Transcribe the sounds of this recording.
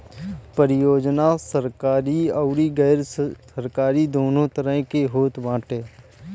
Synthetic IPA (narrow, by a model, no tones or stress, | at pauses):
pəɾɪjoːd͡ʒnasəɾkaːɾiəʊɾiɡɛːɾsəɾkaːɾid̪oːnõt̪əɾə̃ɦkeɦoːt̪ʋãːʈeː